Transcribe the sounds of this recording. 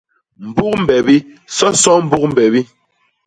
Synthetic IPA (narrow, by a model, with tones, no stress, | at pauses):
m̩˨bu˦k̚m̩˨bɛ˨bi˦ | sɔ˦sɔ˦m̩˦bu˦k̚m̩˨bɛ˨bi˦